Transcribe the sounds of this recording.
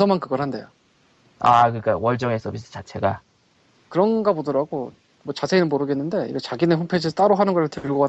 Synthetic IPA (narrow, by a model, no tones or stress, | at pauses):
sʰʌmankɯɡʌɾɦande̞̰jo | akɯɾik͈awʌɭt͡ɕ͈ʌŋes͈ʰʌbis͈ʰɯ̥t͡ɕat͡ɕʰe̞ɡa | kɯɾʌnɡabodʌɾaɡo | mwʌt͡ɕasʰeinɯnmoɾɯɡenːɯnde̞ḭɡet͡ɕaɡineɸompʰed͡ʑisʰt͈aɾoɦanɯnɡʌɾɯɭtʰɯɯɭɡʌka